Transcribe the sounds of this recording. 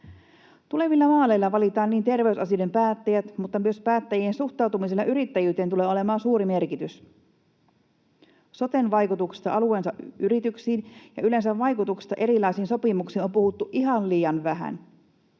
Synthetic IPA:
t̪ule̞ʋilːɑmɑːlejlːɑʋɑlit̪ɑːnniːnt̪e̞rʋe̞ysɑsiojdempæːt̪ːæjæt̪mut̪ːɑmyøspæːt̪ːæjiensuxt̪ˑɑˑwt̪umis̬elɑʔyɾit̪ːæjyːt̪ent̪ule̞ːole̞mɑːnsuːɾime̞rkit̪ys | so̞t̪enʋɑjkut̪uksi̥st̪ɑ̰ʔɑluensɑʔyɾit̪yksiːnjɑ̰yle̞nsæʋːɑjkut̪uksi̥st̪ɑʔe̞ɾilˑɑjsiːnso̞pimuksiːno̞mpuhut̪ːuʔiɦɑnliːjɑnʋæɦæ̰n

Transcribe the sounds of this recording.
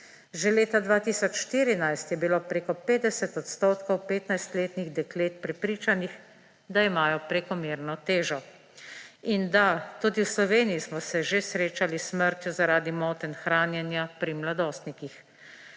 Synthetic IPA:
ʒɛleːt̪ad̪ʋaːt̪iːsɔt͡ʃʃt̪iːɾinajst̪jɛbiloːpɾeːkɔpeːd̪ɛsɛt̪ɔt̪st̪oːt̪kɔwpeːt̪najst̪leːt̪niɣd̪ɛkleːt̪̚pɾɛpɾiːt͡ʃanix | d̪aimaːjɔpɾɛkɔmeːɾnɔt̪eːʒɔ | ind̪at̪uːd̪iwslɔʋeːnijismɔsɛʒesɾeːt͡ʃalisməɾt̪juzaɾaːd̪imɔːt̪ɛnxɾaːnjɛnjapɾimlad̪oːst̪nikix

